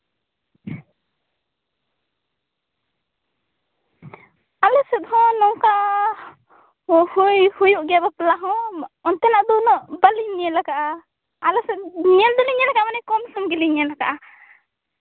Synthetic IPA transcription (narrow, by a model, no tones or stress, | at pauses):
alɔsɛd̪ɦɔnɔŋka | hujhujuʔɡɛabaplaɦɔɔnt̪ɛnaʔd̪ɔnɔʔbaliniɛlakaʔa | alɔsɛɲɛld̪ɔliɲɛlakaʔmanɛkɔmsɔmɡɛliɲɛlakaʔa